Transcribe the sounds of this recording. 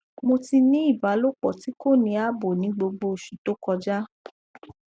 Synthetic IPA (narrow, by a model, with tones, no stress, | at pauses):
mo˧ti˧nĩ˦i˦˨ba˨˦lo˦k͡pɔ˨ti˨˦ko˦˨nĩ˧˦a˦bo˨nĩ˨˦ɡ͡bo˧ɡ͡bo˧˨ʃu˨to˦kɔ˧d͡ʒa˦